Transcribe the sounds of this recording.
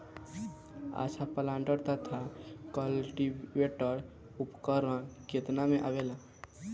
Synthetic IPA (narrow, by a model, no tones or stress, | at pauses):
a̰t͡ʃʰapəlãɳɖəɾt̪ət̪ʰakəlʈiʋeʈəɾ | upkəɾãket̪namẽʔabela